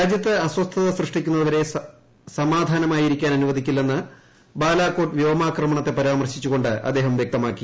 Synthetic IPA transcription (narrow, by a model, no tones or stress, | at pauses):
ɾaːd͡ʑjɐt̪ːeɐswɐst̪ʰɐðɐsrɨʂʈikʲːunːɐɐʋɐɾe̞ | sɐmaːd̪ʱaːnɐmaːjiɾikʲːaːnɐnuʋɐd̪ʱikʲːilːenːɨ | baːlaːkːoːʈʋjɐʋɐmaːkrɐmɐɳɐt̪ːe̞pɐɾaːmɐrɕit͡ɕːuɣo̞ɳɖɨʔɐ̰d̪ːe̞ːɦɐmʋjek̚t̪ɐmaːkːi